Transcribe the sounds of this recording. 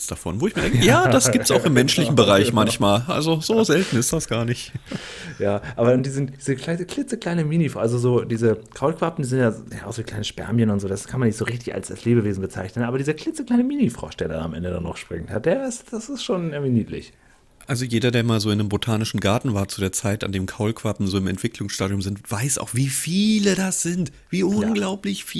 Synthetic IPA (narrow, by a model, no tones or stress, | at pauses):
t͡sd̥afɔ̰nvoːɪçmiːɐdɛŋəjaːd̥asɡiːptsaʊxɪmːɛnʃlɪçn̩bəʁaɪçmançmaːlʔa̰lzozoːzɛltn̩ɪstd̥asɡ̥aːɐnɪç | jaːʔaːbɐʊnt̚d̥iːzɪntd̥iːzəkʰl̥aɪnəklɪt͡səkl̥aɪnəmiːnifʔalzozoːdiːzəkʁ̥aʊlkv̥apm̩diːzɪntjaːjaːʔʊxv̥iːkl̥aɪnəʃpɛ̰ɐmçənʊntz̥oːdaskʰanmanːɪçz̥oːʁɪçtɪça̰lsd̥asleːbəveːzn̩bət͡sa̰ɪçnənʔaːbɐdiːzɐkl̥ɪt͡səkl̥aɪnəmiːnifʁ̥ɔ̰ʃd̥eːɐda̰na̰mʔɛ̰ndəda̰nːɔ̰χʃpʁ̥ɪ̰ŋtha̰t̚d̥eːɐɪstd̥asɪstʃoːnʔɪŋviːniːtlɪ̰ç | ʔalzojeːdɐdeːɐmaːlzoːɪndəmbotʰaːnɪʃn̩ɡaɐtn̩vaːɐt͡sudeːɐt͡saɪta̰ndeːmkʰaʊlkv̥apm̩zoːɪmɛ̰ntv̥ɪkʰlʊŋsʃtaːɾiʊmzɪntv̥aɪsa̰ʊxv̥iːfiːlədasz̥ɪnt | v̥iːʊnɡlaʊplɪçfiː